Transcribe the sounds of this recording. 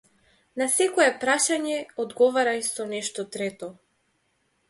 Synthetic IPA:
nasɛkɔɛpɾaʃaɲɛɔd̪ɡɔvaɾajsɔnɛʃt̪ɔt̪ɾɛt̪ɔ

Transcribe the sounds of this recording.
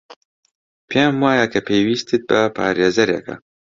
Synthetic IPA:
pʰemwaːjakʰɐpʰeːwiːst̪ɨt̪̚bɐpʰa̰ːɾeːzɐɾjḛkʰɐ̰

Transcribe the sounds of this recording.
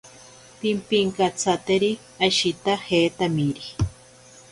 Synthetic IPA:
pimpiŋkat͡sʰat̪eɾi | aʃit̪ahet̪amiɾi

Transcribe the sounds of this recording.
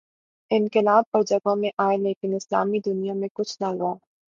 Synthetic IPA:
ɪnkɪlaːb̚pɐɾd͡ʒɐɡõmẽʔaːeleːkɪnɪsla̰ːmid̪ʊnijamẽkʊt͡ʃʰnaɦuaː

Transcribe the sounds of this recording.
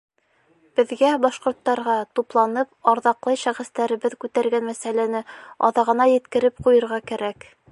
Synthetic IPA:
b̥ɘ̆ðɡæbɑʃqŏɾt̪ːɑɾʁɑt̪uplˠɑnɤp̚ɑɾðɑqlˠɤjʃæχɘ̆st̪æɾɘ̆βɘðkʉt̪æɾɡænmæsælænɘɑ̰ðɑʁɤ̆nɑjɘ̆t̪kɘ̆ɾɘpqujɤ̆ɾʁɑkæɾæk

